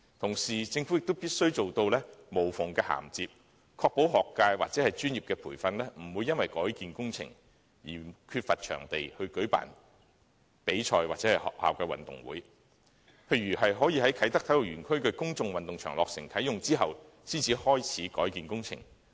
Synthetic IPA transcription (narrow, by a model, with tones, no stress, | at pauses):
t̪ʰʊ˨˩ŋsiː˨˩t͡sɪ˧ŋfu˨˥jɪ˨k̚t̪o˥wpiː˥t̚sɵ˥ɥt͡so˨wt̪o˧wlɛː˥mo˨˩wfʊ˨˩ŋkɛː˧ha̰ː˨˩mt͡siː˧p̚ | kʰɔː˧k̚po˨˥wɦɔː˨kːaː˧jwaː˨t͡sɛː˨˥hɐ˨jt͡ʃyː˥njiː˨˩pkɛː˧pʰuː˨˩jfɐ˧nlɛː˥m̩˨˩wu˨˧jɐ˥nwɐ˨jkɔː˨˥jkiː˨nkʊ˥ŋt͡sʰɪ̰˨˩ŋ | jḭː˨˩kʰyː˧t̚fɐ˨t̚t͡ʃʰœ̰ː˨˩ŋt̪e˨jhɵ˧ɥkɵ˨˥ɥpa̰ː˨˩n | pe˨˥jt͡ʃʰɔː˧jwaː˨t̚t͡sɛ˨˥hɐ˨jhɔ̰ː˨k̚ha̰ː˨wkɛː˧wɐ̰˨nt̪ʊ̰˨˩ŋwṵː˨˥j | pʰe˧jɥyː˨˩hɐ˨jɦɔː˨˥jiː˨˧hɐ˨˥jkʰɐ˨˥jt̪ɐ˥k̚tʰɐ˨˥jlo˨˩wɥyː˨˩nkʰɵ˥ɥkɵ˧kʊ˥ŋt͡sʊ˨˧ŋwɐ˨nt̪ʊ˨ŋt͡ʃʰœ̰ː˨˩ŋlɔː˨k̚sɪ̰˨˩ŋkʰɐ˨˥jʊ˨ŋt͡siː˥ɦɐ˨w | siː˥nt͡sʰiː˨˧hɔː˥jt͡sʰiː˨˥kɔ̰ː˨˥jkiː˨nkʊ˥ŋt͡sʰɪ̰˨˩ŋ